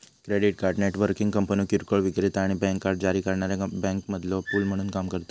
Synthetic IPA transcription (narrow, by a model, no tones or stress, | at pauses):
kɾeɽiʈkaɾɖneʈʋəɾkĩŋɡkəmpəniokiɾkəɭʋiɡɾit̪aɽ̃ibɛ̃ŋkːaɾɖ̚d͡ʑaɾiːkəɾɳaɾjabɛ̃ŋkməd̪lopuːlm̤əɽ̃uːnkamkəɾt̪o